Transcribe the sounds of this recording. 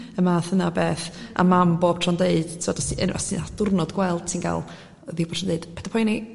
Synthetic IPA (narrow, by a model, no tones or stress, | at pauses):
əmaːθənabeːθa̰mamboːb̥tʰrɔndeɨd̥tʰɪvɔdɔsiə̰nɔ̰stinad̥ʊrnɔdɡwɛlˠd̥̚tʰiːnɡa̰lˠ | ðibɔbtʰrɔndeɨd̥pʰɛ̥dapʰɔjni